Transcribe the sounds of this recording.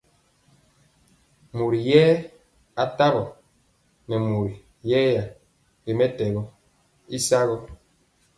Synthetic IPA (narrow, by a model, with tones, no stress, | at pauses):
mu˨ɾi˨jɛː˦ | a˨ta˦ɣɔ˨ | nɛ˨mu˨ɾi˨ | jɛː˦ja˨ | ɾi˨mɛ˦tɛ˨ɣɔ˦ | i˦sa˦ɣɔ˦